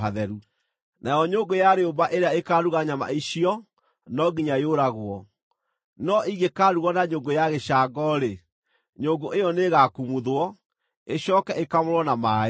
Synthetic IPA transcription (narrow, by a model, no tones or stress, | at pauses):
aðɛɾu | nʔajɔɲoŋɡojaɾeobaʔeɾeaekaɾuɣaɲama̰iɕiɔ | nɔɡiɲajoɾaɣwɔ | nɔʔiɣekaːɾuɣɔnaɲoːɡojaɣeɕaɡɔɾe | ɲoːŋɡoʔejɔneɣakumuðwɔ | eɕɔkɛʔekamoɾwɔnama